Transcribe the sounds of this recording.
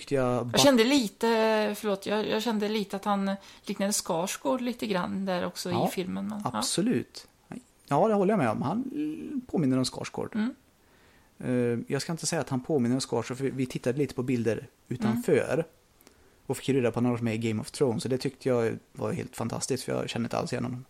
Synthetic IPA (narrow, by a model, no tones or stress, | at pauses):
t̪ʏkt̪əjɑbjɑɛnd̪əliːt̪əfœɭoːt̪jɑjɑ̰ːɕɛnd̪əliːt̪əat̪hanliːknad̪əskɑːʂɡoːɖliːt̪əɡɾanːd̪æɾɔ̰ksɔɪfɪlmənmɛnasɔlʉ̟̰ːt̪ | jɑːd̪ɛhɔlːəjamɛɔ̰mhanpʰoːmɪnːəɾɔmskɑ̰ːʂɡo̰ːɖ̥ | jɑːɡskaɪnt̪əsɛjːaːt̪hanpʰoːmɪnːəɾɔmskɑːʂɔfœvɪt̪ʰɪt̪ːad̪əliːt̪ə̥pʰɔbɪld̪əɾ | ʉ̟ːt̪anfœ̰ːɾ | ɔfɪ̥kːɾeːɾapʰɔnoːɡsmɛɡɛɪmɔvt̪ʰɾɔʊnsɔd̪ɛt̪ʰʏk̚t̪ʰəjɑva̰ɾhḛːlt̪fant̪ʰa̰st̪ɪsktfœjɑ̰ɕɛnːəɪna̰lsɪjɛ̰nɔmnɔm